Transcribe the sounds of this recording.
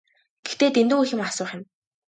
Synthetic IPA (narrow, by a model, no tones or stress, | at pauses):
ɡ̥ext̪eːt̪end̪ŭŋuxʲɪ̆masʊːχʲɪ̆n